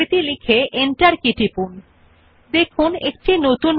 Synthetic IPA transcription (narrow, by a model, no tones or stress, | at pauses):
it̪ilikʰeʔeɳʈaɾkiʈipun | d̪ekʰunek̚ʈinot̪un